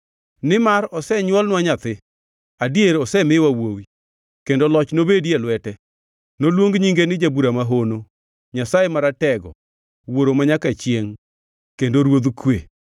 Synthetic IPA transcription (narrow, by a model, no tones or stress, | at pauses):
nɪmaɾɔsɛɲwɔlnwaɲat̪ɪ | adieɾɔsɛmɪwawowi | kendolɔt͡ʃnobedjelwɛtɛ | nolwoŋɡɲiŋɡenɪd͡ʒabuɾamaɦono | ɲasajemaɾatɛɡɔ̰ | woɾomaɲakat͡ʃjeŋ | kendoɾwod̪kwe